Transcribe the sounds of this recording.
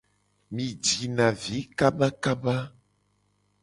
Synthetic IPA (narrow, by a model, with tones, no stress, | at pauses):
mĩ˨d͡ʒi˨nã˨vi˨˦ka˦ba˦ka˦ba˦